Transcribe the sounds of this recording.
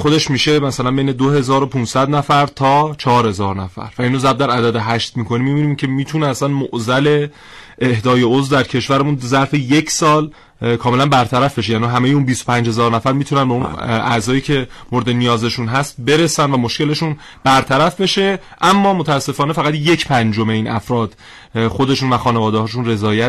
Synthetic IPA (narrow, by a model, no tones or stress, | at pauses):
xo̞d̪e̞ʃmiʃe̞mæsælænbe̞jne̞d̪ohe̞zɒːɾopʰunsæd̪næfæɾt̪ʰɒːt͡ʃʰɒɒɾhe̞zɒːɾnæfæ̰ɾvæinozæɾb̚d̪æɾæd̪æd̪e̞ɦæʃt̪̚miːkʰo̞nimːibiːnimcʰe̞miːt̪ʰuneæslænmoʔzæle̞ | ʔehd̪ɒːjeozvd̪æɾcʰe̞ʃvæɾemunzæɾfejecʰsɒːl | kʰɒːmelænbæɾt̪ʰæɾæfbe̞ʃejæːniiɦæmejeunbist̪opʰænd͡ʒhe̞zɒːɾnæfæɾmiːt̪ʰunænbeunæ̰zɒːjiːcʰe̞moɾed̪enijɒːze̞ʃunɦæst̪̚be̞ɾe̞sænvæmoʃce̞le̞ʃun | b̥æɾt̪ʰæɾæfbe̞ʃe̞ | ʔæmːɒːmot̪ʰæːsːe̞fɒːne̞fæɣæt̪je̞cʰpʰænd͡ʒome̞iːnʔæ̰fɾɒːd̪̥ | xo̞d̪e̞ʃuːnvæxɒːne̞vɒːd̪ehɒːʃ̬unre̞zɒːjæ